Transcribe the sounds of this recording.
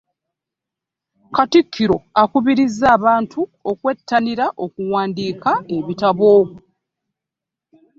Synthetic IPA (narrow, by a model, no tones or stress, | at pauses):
katikʰːiɾo̞akuβiɾizːaːβaːntʰuo̞kwe̞tːaniɾaʔo̞kuwaːndiːkae̞βitaβo̞